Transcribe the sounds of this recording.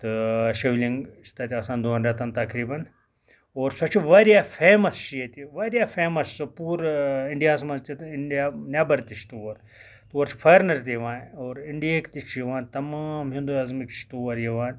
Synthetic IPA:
t̪ɨʃiʋliŋɡt͡ʃʰi̥t̪ɐt̪ʲiɐsãːnd̪uɐːnɾʲɐt̪ɐnt̪ɐkɾiːbɐn | oːɾsɐt͡ʃiʋɐɾjafʰeːmɐst͡ʃʰijet̪iʋɐːɾjafʰeːmɐssopuːɾɪɳɖijaːsmɐzt̪ʰit̪ɪɖjaːnʲabɐɾt̪it͡ʃʰt̪uʋɐɾ | t̪uʋɐɾt͡ʃʰi̥fʰɐːɾnɐɾt̪ʲijʋãːnoːɾɪɳɖijekt̪it͡ʃʰjiʋãːnt̪ɐmaːmɦĩnd̪ujaːzmikt͡ʃʰi̥t̪uʋɐɾjiʋaːnʲ

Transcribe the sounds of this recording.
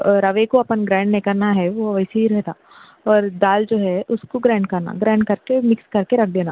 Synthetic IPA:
ɾɐʋekoɐpənɡɾɛ̃ːɳɖnẽkɐɾnaɦɛʋoʋəːseɦiɾɛɦt̪aː | ɔːɾd̪aːld͡ʒoːɦɛʔʊskoɡɾɛ̃ːɳɖ̚kɐɾna̰ɡɾɛ̃ːɳɖkɐɾkemɪkskɐɾkeɾɐkʰd̪eːna

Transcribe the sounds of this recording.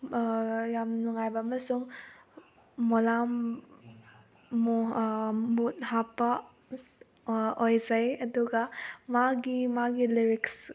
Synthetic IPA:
jamnuŋajbɐːmɐsuŋ | ɔlam | but̚hapːɐ | ojzajɐduɡɐmaɡimaɡiliɾiks

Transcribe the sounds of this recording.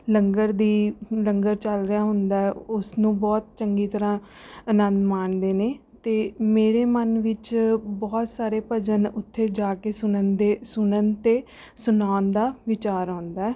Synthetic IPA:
ləŋɡəɾd̪iːləŋɡəɾt͡ʃəlɾɪjaːɦʊnd̪aːɛːʊsnũːbɔːt̪̚t͡ʃəŋɡiːt̪əɾãː | ənə̃nd̪maːɳd̪eːneːt̪eːmeːɾeːmənʋɪt͡ʃbɔːt̪saːɾeːpəd͡ʒənʊt̪ʰːeːd͡ʒaːkeːsʊnənd̪eːsʊnənt̪eː | sʊnaːnd̪aːʋɪt͡ʃaːɾãːnd̪aːɛː

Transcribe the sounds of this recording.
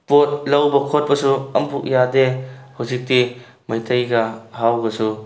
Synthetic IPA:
pot̚lɐwbɐkʰot̚pɐsuɐmpʰuk̚jadehawzik̚di | mɐjtʰɐjɡɐhawɡɐsu

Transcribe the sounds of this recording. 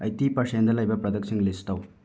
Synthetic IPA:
ɐjt̪ipɐʂɐjɐnd̪ɐlːɐibɐpɾɐd̪ɐksiŋɡlist̪ɐw

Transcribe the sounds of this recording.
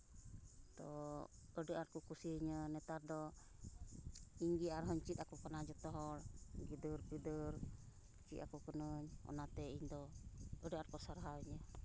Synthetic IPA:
t̪ɔ | əɖəʔaɾkukusiiɲənɛt̪aɾd̪ɔ | iɲɡiaɾɦɔɲt͡ʃit̪akukɔnad͡ʒɔt̪ɔɦɔɽɡid̪əɾpid̪əɾ | t͡ʃit̪akukənəɲɔ̰nat̪ɛiɲd̪ɔəɖəaɾ̚kɔsaɾɦawiɲə

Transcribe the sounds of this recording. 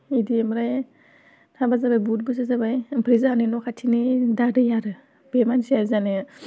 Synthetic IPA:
idiemɾaj | tʰabazabajbut̚bɯsazabajpʰɾizaaninɔkʰatʰinidadɯjaɾɯ | b̥emansiaɾzanɯ

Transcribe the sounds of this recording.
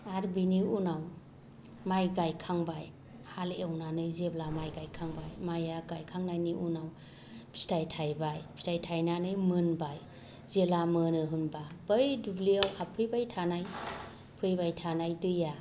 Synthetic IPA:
aɾbiniunaw | majɡajkʰaŋbaj | haleʔawnanɯjzeblamajɡajkʰaŋbajmajaɡajkʰaŋnajniʔunaw | pʰi̥stajtʰajbajpʰi̥stajtʰajnanɯjmɯnbaj | zelamɯnɯɦɯnbabəjdubliawapʰɯjbajtʰanajpʰɯjbajtʰanajdɯja

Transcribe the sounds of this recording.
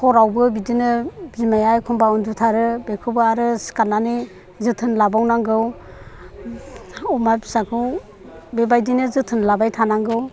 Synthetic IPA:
kʰɔɾawbɯbidinɯbimajajkʰumbaundutʰaɾɯbekʰɯbɯaɾɯsi̥kanːani | zɯtʰɯnlabawnaŋɡɯw | ɔmabisakʰɯw | bebajdinɯzɯtʰɯnlabajtʰanaŋɡɯw

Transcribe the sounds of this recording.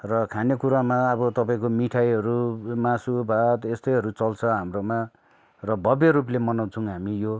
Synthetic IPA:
rʌkʰanekuɾamaʌbʌt̪ʌpãĩkomiʈʰajɦʌɾumasubʱat̪est̪ʌjɦʌɾut͡sʌlt͡sʰʌɦamroma | rʌbʱʌbjeɾup̬lemʌnaw̃t͡sʰʌũɦamijo

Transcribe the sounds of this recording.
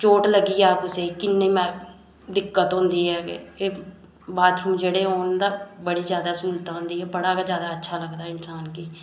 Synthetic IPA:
t͡ʃoːʈləɡiːaːpʊseːkɪnːeːmɛ̃ː | d̪ɪkːət̪ɦʊ̃ːnd̪iːɦɛːkeː | baːt̪ɦũːd͡ʒeɽeːɦoːnd̪aːbəɽiːzjaːd̪aːsuːlt̪ãːɦʊ̃nd̪iːɦɛːbəɽaːkazjaːd̪aːətːʃʰaːləɡd̪aːɪnsaːnkiː

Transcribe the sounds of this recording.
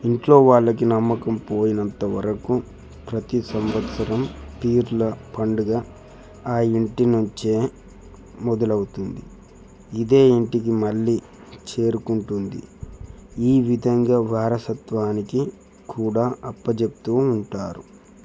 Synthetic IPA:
iɳʈlo̞ːʋaːɭːɐkinɐmːɐkɐmpo̞ːjinɐnt̪ɐʋɐ̰ɾɐku | pɾɐt̪isɐmʋɐt̪sɐɾɐmpiːɾlɐpɐɳɖuɡaː | aːiɳʈinuɲt͡ʃe̞ː | mɔd̪ɐlɐwut̪und̪i | id̪e̞ːiɳʈikimɐɭːiː | t͡ʃe̞ːɾukuɳʈund̪ḭ | iːʋid̪ʱɐŋɡaːʋaːɾɐsɐt̪ʋaːniki | kuːɽaːɐpːɐd͡ʒep̚t̪uːuɳʈaːɾu

